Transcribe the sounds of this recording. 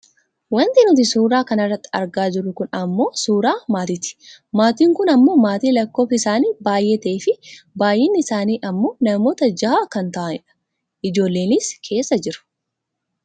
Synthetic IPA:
wɐnt̪ɪnʊt̪̬ɪsuːɾaːkɐnɐrːɐt̪ːɐ̰ɾɡaːd͡ʒɪɾːʊkʊnɐmːo̞ːsuːɾaːmaːt̪ɪt̪ɪ̥maːt̪iːŋkʊnɐmːo̞ːmaːt̪iːlɐkːo̞ːfɪsaːniːbaːjɛt̪eːfɪbaːjʔɛnːɪɪsaːniːʔɐmːo̞ːnɐmo̞ːt̪ɐd͡ʒɐhaːkɐnt̪ɐʔɐnɪᶑɐ̥ | ʔɪd͡ʒo̞ːlːe̞ːnɪskʰe̞ːsːɐd͡ʒɪɾʊ̥

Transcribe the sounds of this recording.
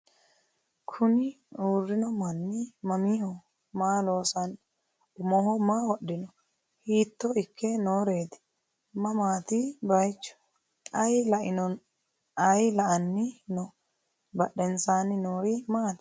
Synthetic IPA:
kʰʊnɪ | uːrːɪnɔmɐnːɪmɐmiːhɔ | maːlo̞ːsɐn | ʊmɔhɔmaːwɔɗːɪnɔ | hiːt̪ːɔɪkʰːɛnoːɾeːt̪ɪ̥ | mɐmaːt̪ɪbɐjt͡ʃːɔ̥ | ʔɐjlɐʔɪnɔn | ɐjlɐʔɐnːɪnɔ | bɐɗɛnsaːnɪnoːɾimaːt̪

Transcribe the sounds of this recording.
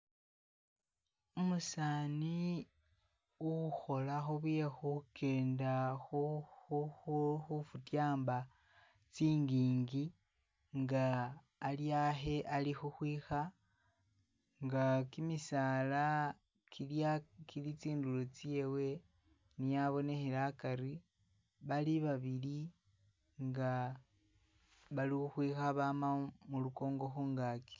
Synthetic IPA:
umusaːni | uxo̞laxoβujexuke̞ːndaxuuxxufutjaːmba | t͡siːŋɡiːŋɡi | ŋɡaː | ljaɦe̞ʔalixuxwiːxa | ŋɡakimisaːla | kʰiljakʰilit͡siːndulot͡sje̞we̞ | nijaβo̞ne̞xelakaɾi | βaliβaβili | ŋɡa | βalixuxwiːxaβamamuluko̞ːŋɡo̞xuːŋɡaːki̥

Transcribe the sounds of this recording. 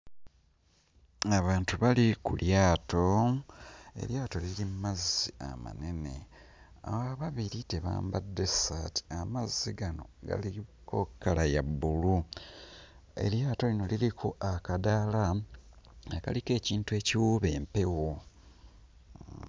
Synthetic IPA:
aβaːntuβalikuljaːtʰo̞ | e̞̰ljaːto̞lilimmazːia̰ma̰ne̞ne̞̰ | a̰waβaβiɾite̞βa̰ːmbadːe̞sati̥amazːiɡano̞̰ɡa̰liko̞kːalajabːulu | e̞̰ljaːto̞lino̞lilikʰoʔakadala | aka̰like̞ːciːntue̞ːciwuːβe̞ːmpe̞wo

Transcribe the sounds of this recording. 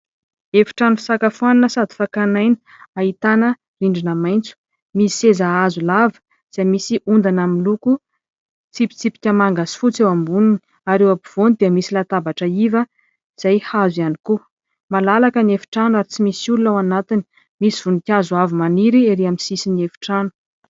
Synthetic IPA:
efi̥ʈ͡ʂanufi̥sakafuananəsad̪i̥fakanajni̥ | ait̪anə | riɳɖ͡ʐinəmajnt͡su̥ | mii̥sezaazulavə̥ | z̥amisiʔund̪anaminluku | t͡sipi̥t͡sipi̥kʲəmaŋɡasi̥fut͡sewambunini | aɾewabiv̥onid̪iəmisilat̪abaʈ͡ʂəivə | z̥ajhazianiku | malalakəniefi̥ʈ͡ʂanuaɾit͡simisiulunawanat̪ini̥ | misiv̥unikʲazuavumaniɾieɾeamisisiniefi̥ʈ͡ʂanu̥

